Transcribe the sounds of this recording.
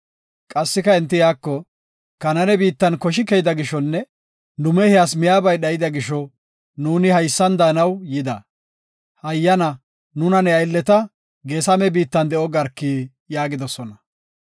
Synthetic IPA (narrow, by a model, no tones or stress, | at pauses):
kʼɐsːɪkɐɛnt̪̬ːɪjaːkːɔ | kɐnɐnɛbiːt̪ːɐnkɔʃ̬ɪkːɛjd̪ɐɡɪʃːɔnːɛ | nʊmɛhɛjasmɪjaːbɐjɗɐjɪd̪ɐɡɪʃɔ | nuːnɪhɐjsːɐnd̪aːnɐwjɪd̪ɐ | hɐjːɐnɐ | nʊnɐnɛɐjlːɛt̪ɐ | ɡeːsɐmɛbiːt̪ːɐnd̪ɛʔɔɡɐɾkːiː | jaːɡɪd̪ɔsɔnɐ